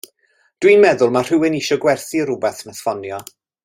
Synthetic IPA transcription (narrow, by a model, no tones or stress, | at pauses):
d̥winmɛðʊlˠmar̥ɪwɪniʃɔɡwɛrθiəɾʊbɛθnasfɔnjɔ